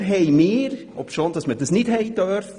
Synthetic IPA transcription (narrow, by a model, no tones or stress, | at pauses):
ɦɛjmɪːɾ | ɔ̰pʃond̥ɑsməɾdəsnɪtɦɛjdœɾf